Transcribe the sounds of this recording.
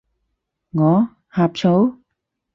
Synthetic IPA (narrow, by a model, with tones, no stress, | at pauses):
ŋɔː˨˧˦ | haː˨p̚t͡ɕʰo˨˥w